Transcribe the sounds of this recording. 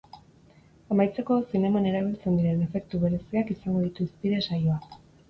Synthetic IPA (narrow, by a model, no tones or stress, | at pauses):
amajt͡se̞ko̞sine̞mane̞ɾaβilt͡se̞nd̪iɾe̞ne̞fe̞k̚t̪uβ̞e̞ɾe̞siakisaŋɡo̞ðit̪uspiðe̞sajo̞ak